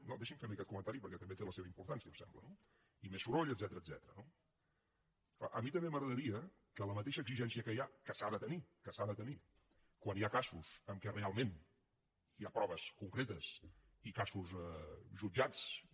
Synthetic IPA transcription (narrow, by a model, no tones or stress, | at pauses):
nod̪eʃimfemekɛt̪kumə̃nt̪aɾipəɾkɛt̪əmbet̪eləseβəimpuɾt̪ansiəuwsɛ̰mblə̰no | imesuɾoʎəd̪zɛt̪əɾəːd̪zɛt̪əɾəno | kla̰ʔəmit̪əmbeməɣɾəðəɾiə | kələmət̪̬eʃəɡziʒɛnsiəkəjakəsaðət̪ənikəsaðət̪əni | kwaniakasusəmkɛrealˠmen | iapɾɔβ̞əskuŋkɾet̪əs | ikasuzɛʒud͡ʒat͡s